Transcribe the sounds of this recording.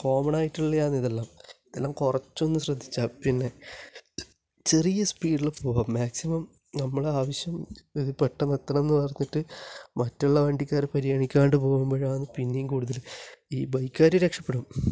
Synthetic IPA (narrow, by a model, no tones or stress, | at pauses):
ko̞ːmɐɳaːjiʈːuɭːɐjaːniðelːaːmiðelːaːmkurɐt͡ɕːonːɨɕrɐd̪ʱːi̥t͡ɕːaːpinːe̞ | t͡ɕe̞rijɐspiːɖiɭpoːɣaːmːaːksimɐm | nɐmːɐɭeaːʋɐɕjɐmeðipːeʈːɐmet̪ːɐnɐmenːɨpɐrɐnːiʈːɨmɐtːuɭːɐʋɐɳɖikʲːaːɾpɐɾijaːɳikʲːaːɳɖɨpo̞ːɣumboːɻaːnɨpinːejikuːɽuðɐliːbɐjkʲːaːɾiɾekʂɐpːeɽum